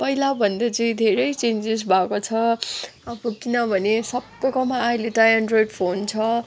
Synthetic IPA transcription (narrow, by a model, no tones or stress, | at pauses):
pʌilabʱʌnd̪ʌt͡sʌĩd̪ʱeɾʌjt͡send͡zes̬bʱakot͡sʰʌʌbʌkinʌbʱʌnesʌbːʌkomaːileʈajanɖrojɖpʰont͡sʰʌ